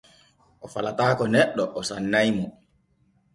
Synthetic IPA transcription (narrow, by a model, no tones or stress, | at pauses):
ʔɔfalataːkɔnɛɗːɔʔɔsanːajmɔ